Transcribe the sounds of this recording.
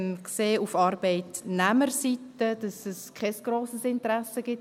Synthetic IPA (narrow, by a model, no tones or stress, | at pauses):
nkseːufɑɾb̥ɛɪtnæməɾsitəd̥ɑsɛskʰɛsɡ̥ɾoːsəsɪntəɾɛsəɡ̥ɪt